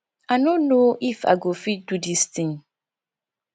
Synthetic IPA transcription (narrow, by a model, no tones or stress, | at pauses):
anõnoʔifa̰ɡofidudist̪ʰĩŋ